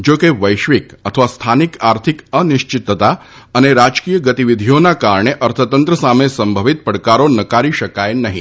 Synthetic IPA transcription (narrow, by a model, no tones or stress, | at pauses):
d͡ʒokeʋəjʃʋikət̪ʰəʋast̪ʰanikaɾt̪ʰikəniʃt͡ʃɪt̪ːət̪a | əneɾad͡ʒkijəɡət̪iʋid̪ʱijonakaɾɳ̃eʔəɾt̪ʰət̪ənt̪ɾəsamesəmbʱəʋit̪̚pəɽkaɾonəkaɾiʃəkajnəɦḭ̃